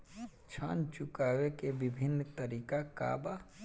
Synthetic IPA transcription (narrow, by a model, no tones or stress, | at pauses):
t͡ʃʰant͡ʃukawekebibʱinːt̪əɾiːkaka̰ba